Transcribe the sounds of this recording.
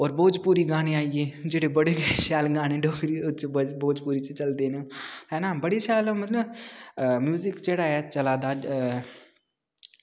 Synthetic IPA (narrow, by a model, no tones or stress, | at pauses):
ɔːɾboːd͡ʒpuːɾiːɡaːneːaːieːd͡ʒeːɽeːbəɽeːɡɛʃaːlɡaːneːɖoːkɾiːʊt͡ʃbboːd͡ʒpuːɾiːt͡ʃt͡ʃəld̪eːneɦɛ̃ːnãːbəɽeʃaːlmət̪ləb | mjuːzɪkd͡ʒeːɽaːɛːt͡ʃəlaːd̪aːd͡ʒ